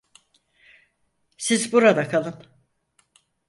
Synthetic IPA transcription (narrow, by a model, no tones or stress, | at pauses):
sizbuɾad̪akʰalˠɯn